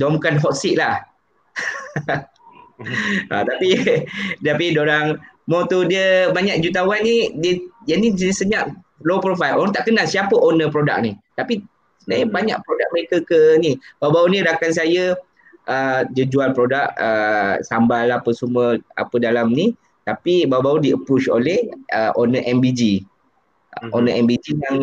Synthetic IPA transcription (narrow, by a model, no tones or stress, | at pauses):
domkanɦɔʔ̪siʔlah | ʔa̰t̪apidapidoɾaŋmɔ̃t̪udiəbaɲak̚d͡ʒut̪̬awanːidiəjənisəɲaʔ | lopɾofajlʔo̰ɾaŋt̪aʔkənasiapəʔonəpɾoda̰k̚nit̪api | sənajabaɲa̰ʔpɾodak̚məɾekakənibaubauniɾakans̬ajə | ʔəd͡ʒəd͡ʒualpɾodak̚əsambalapəsumuəa̰pədalamni | t̪apibawbaudiəpɾut͡ʃo̰lɛhəʔonəʔɛmbid͡ʒi | onəɛmbid͡ʒijaŋ